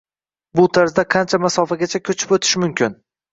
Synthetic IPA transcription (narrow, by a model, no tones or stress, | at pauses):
bʊt̪ʰaɾzd̪aqʰɑnt͡ʃʰamasɒfaɡʲat͡ʃʰakʲʰɵt͡ʃʰɪ̥pot̪ʰɪ̥ʃmʊmkʲʰɪn